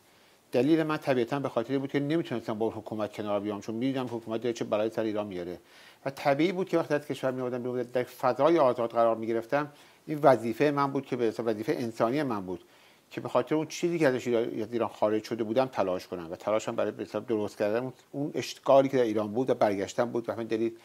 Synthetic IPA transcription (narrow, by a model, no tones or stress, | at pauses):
d̪̥æliːle̞mænt̪ʰæbiːæt̪ʰænbe̞xɒːt̪ʰeɾeiːbuːd̪̚cʰene̞miːt̪ʰunest̪æmbɒːunhokʰuːmæt̪̚kcʰe̞nɒːɾbijɒːmt͡ʃʰonmid̪iːnæmhokʰuːmæt̪̚d̪ɒɾet͡ʃʰebælɒːjesæɾeiːɾɒːnmijɒɾe | væt̪ʰæbiiːbuːd̪̚cʰeæxχt̪iæz̥cʰe̞ʃvæɾmijomoɾd̪æmbeomd̪æd̪d̪æɾfæzɒːjeɒːzɒːd̪ɣæɾɒːɾmiːɟe̞ɾe̞ft̪æm | ʔiːnvæziːfejemænbuːd̪̥̚cʰebeesævæziːfejeʔensɒːnije̞mænbuːd̪̥ | cʰe̞be̞xɒːt̪ʰeɾeunt͡ʃʰiːziːkʲcʰeæzæʃæziːɾɒːnxɒːɾe̞d͡ʒʃo̞d̪e̞buːd̪æmt̪ʰælɒːʃkʰonæmvæt̪ʰælɒːʃæmbæɾɒːjebeselɒːb̚d̪oɾost̪kcʰæɾd̪ænun | uneʃt̪ɡɒːliːcʰeæɾiːɾɒːnbuːd̪væbæɾɟæʃt̪æmbuːd̪væmind̪æliːl